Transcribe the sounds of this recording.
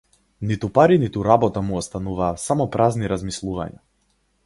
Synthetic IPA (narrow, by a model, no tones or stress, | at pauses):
nit̪upaɾinit̪uɾabɔt̪amuɔst̪anuvaːsamɔpɾazniɾazmislˠuva̰ɲa̰